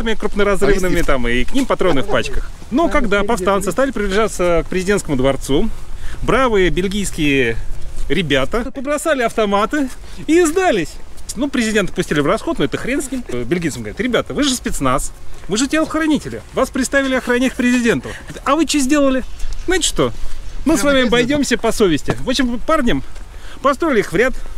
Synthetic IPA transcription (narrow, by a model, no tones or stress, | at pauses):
t̪əmʲɪkɾʊpnəɾɐzrɨvnɨmʲɪt̪amɨknʲimpɐt̪ɾonːɨxpat͡ɕkəx | nokɐɡd̪apɐfst̪ansɨst̪alʲɪpɾʲɪblʲɪʐat̪sək̚pɾʲɪzʲɪdʲenskəmʊd̪vɐrt̪subɾavɨjəbʲɪlʲɡʲijskʲɪjə | ɾʲɪbʲat̪əpəbɾɐsalʲɪɐft̪ɐmat̪ɨiːzd̪alʲɪsʲnupɾʲɪzʲɪdʲe̞nt̪ə̥ɨpʊsʲtʲilʲɪvrɐsxo̞t̪nʊɛt̪əxɾʲenskʲɪmbʲɪlʲɡʲijt̪səmɡəvɐɾʲit̪ɾʲɪbʲat̪əvɨʐɨspʲɪt̪snasvɨʐɨtʲelˠxɾɐnʲitʲɪlʲɪvaspɾʲɪt̪st̪avʲɪlʲɪɐxɾɐnʲæt̚ʲpɾʲɪzʲɪdʲe̞nt̪ʊɐvɨt͡ɕezʲdʲe̞lˠəlʲɪznaɪtʲɪ̥ʂt̪o̞mɨsvamʲɪbɐjdʲo̞msʲəpɐsovʲɪsʲtʲɪvo̞pɕɪmparnʲəmpɐst̪ɾoɪlʲɪixvɾʲat̪